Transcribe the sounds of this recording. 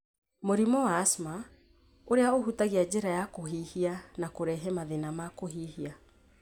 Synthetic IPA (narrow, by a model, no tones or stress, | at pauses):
moɾimɔwaːsma | oɾeaoɦutaɣiad͡ʑeɾajakoɦihianakoɾɛɦɛmaðenamakoɦihia